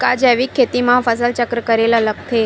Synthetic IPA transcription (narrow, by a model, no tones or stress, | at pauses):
kad͡ʒaʋikʰːet̪imãfəsəlt͡ʃəkɾəkəɾelələk̚t̪ʰe